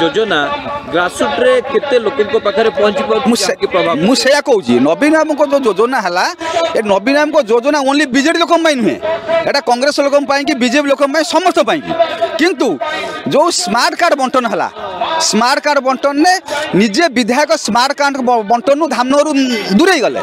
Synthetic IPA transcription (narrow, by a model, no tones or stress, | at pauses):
d͡ʒod͡ʒɔnaɡɾasuʈɾeket̪elokiŋkɔpakʰaɾepɔɦɔ̃nt͡ʃikɔmũekipɾɔbamũsejakɔɦut͡ʃʰḭnɔbinɔjɔmɔŋkɔd͡ʒowd͡ʒod͡ʒɔnaɦelaeknɔbinɔjɔmɔkɔd͡ʒod͡ʒɔnaũñlibid͡ʒeʈilokɔmpaĩnũḛ̃eʈakɔŋɡɾesɔlokɔmpaĩkibid͡ʒepilokɔmpaĩsɔmɔst̪ʰɔpaĩŋkḭkint̪ud͡ʒowsmaɾʈkaɾɖbɔɳʈɔnɔɦela̰smaɾʈkaɖbɔɳʈɔnːenid͡ʒebid̪ʱjajkɔsmaɾʈkaʈbɔɳʈɔnud̪ʱamnɔɾud̪uɾejɡɔlḛ